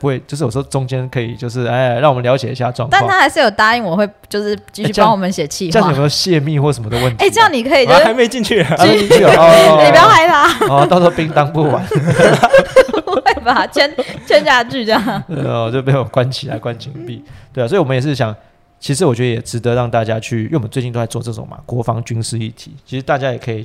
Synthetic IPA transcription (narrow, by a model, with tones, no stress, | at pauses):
u˧we˥˩t͡ɕjo˥˧ʂ̬̩˥˩wɔ˨˩ɔ˥ʈ͡ʂʊ˦ŋt͡ɕjɛ˦nkʰɤ˧˦i˨˩t͡ɕjo˥˧ʊʂ̬ɻ̩˥˩e˥˩ɻɑ˥˩ŋwɔ˨mə˦nljɑ˧ʊt͡ɕjɛ̰˨˩ḭ˧˥ɕa̰˥˧ʈ͡ʂwɑ̰˥˧ŋk̪t̪a˥˨ɑ˨t̪ʰa˥xa˧ɪʂɻ̩˥˩jo˨˩ʊt̪a˥i˥˩ŋwɔ˨˩we˥˩ɪt͡ɕjo˥˧ʊʂɻ̩˥˩t͡ɕi˥˩y˥ɑ˥ŋwɔ˨˩mə˨˦nɕjɛ˨˩t͡ɕʰi˥˩˥jo˨ɕjɛ˥˧mi˥˨wɔ˥˩ʂə˨˩mə˦d̪ə˨˦wə˥˩nt̪ʰe˥˩ʈ͡ʂə˥˧jɑ˥˨ŋni˨˩kʰɤ˧˥i˨˩˥a˧ɪme˥i˨t͡ɕi˥˧ŋt͡ɕʰy˥˩˨a˧˦˥e˥t͡ɕi˥˧t͡ɕʰy˥˩˨ɔli˨˩pjɑ˥ʊla˧˥ɪba˧ɔ˨˩ɑ˥˧ʊt͡sɔ˥˩pi˥ŋt̪ɑ˥˦ŋpu˥˩wa˧˦n | we˥˩ba˩t͡ɕʰjɛ˥nt͡ɕʰɛ˥nt͡ɕja˥˧t͡ɕy˥˧ʈ͡ʂɑ˥˨˩ɔ˨t͡ɕjo˥˧p̬je˥˩nwɔ˨˦kwa˦nt͡ɕʰi˨˥la̰˧˦ɪkwa˦nt͡ɕʰi˧˥ŋpi˥˨˩t̪we˥ɪ˨swi˨wɔ˨˩ə˦jɛ˨˩ʂɻ̩˥˩ɕ̬jɑ˨˩˦ŋ | t͡ɕʰi˧˥ʂ̬ɻ̩˧˥wɔ˨˩t͡ɕɥɛ˦d̪ə˧˨jɛ˨˩ʈ͡ʂɻ̩˧˦t̪ə˧˦ɻɑ˥˧ŋt̪a˥˩t͡ɕja˦˥t͡ɕʰy˥˩wwə˦nt͡se˥˧t͡ɕi˥˧nt̪o˥a˧wɔ˧nɤ˥˩ʈ͡ʂo̰˨˩ma̰˨˩kwɔ˧˥fɑ˦˥ŋt͡ɕy˦nʂ̩˥i˥˩t̪ʰi̥˨˩˦t͡ɕʰi˧˥ʂ̩˧t̪a˥˩t͡ɕja˥jɛ˨˩kʰɤ˧˦i˨˩